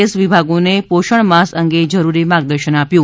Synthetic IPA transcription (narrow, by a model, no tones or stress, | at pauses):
esʋibʱaɡonepoʃəɳmasəŋɡed͡ʒəɾuɾimaɡ̚d̪əɾʃənapjũ